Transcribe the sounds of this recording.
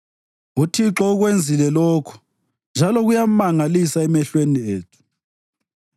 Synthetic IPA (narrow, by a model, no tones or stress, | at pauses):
utʰiǁɔuɣwend͡zʱilɛlɔkʰu̥ | nd͡ʒʱalɔɣujamaŋalisaɛmɛɬwenieːtʰu̥